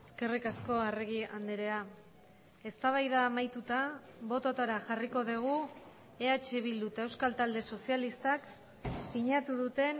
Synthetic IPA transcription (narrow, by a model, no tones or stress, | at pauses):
eske̞rikasko̞areɣiand̪eɾea | e̞st̪aβ̞ajðaːmajt̪ut̪aβo̞t̪ot̪aɾaʝariko̞ðeɣ̞u | e̞at͡ʃe̞βild̪ut̪aewskalt̪ald̪e̞so̞sialist̪ak | siɲat̪uðut̪e̞